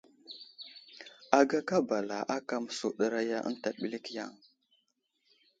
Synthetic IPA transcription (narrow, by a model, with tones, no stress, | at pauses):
a˨ɡa˦ka˦ba˨la˨ʔa˦ka˨m˨su˨ɗə˨ɾa˦ja˦ʔə̰˦n˦ta˨ɓi˦li˦kja˦˨ŋ